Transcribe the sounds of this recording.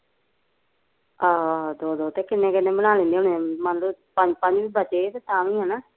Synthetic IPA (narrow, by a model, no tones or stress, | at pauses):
aːd̪oːd̪oːt̪eːkɪnːẽːkɪnːẽːbənaːlẽnd̪eːonẽmənluːpəɲd͡ʒpə̃ɲd͡ʒʋiːbət͡ʃeːeːt̪eːt̪ãːʋĩːɦɛːnaː